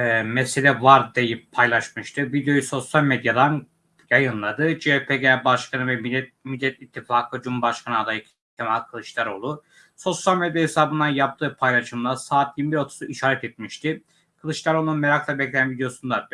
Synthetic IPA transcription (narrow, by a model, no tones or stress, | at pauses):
ɛmɛselʲɛvaɾd̪ejippʰajlˠaʃmɯʃt̪ʰɯvid̪ejo̞juso̞sjalʲmed̪jad̪an | jajɯnlˠad̪ɯd͡ʒepʰeɡebaʃkʰanɯvɛmiɛmilʲːɛt̪it̪ʰːifaːkʰɯd͡ʒumubaʃkʰanɯad̪ajɯk | it̪ʰːimakʰɯlˠɯʃlˠaɾo̞lˠu | so̞sjalʲmed̪jahesaːbɯnd̪anjap̚t̪ʰɯːpʰajlˠaʃɯmlˠasaːt̪̚jiɾmibiɾo̞t̪ʰu̥suʔiʃaːɾɛt̪ʰɛt̪̚miʃt̪ʰi | kʰɯlˠɯʃlˠaɾo̞lˠununmeɾaklˠabɛclʲejænvid̪jo̞sund̪ad̪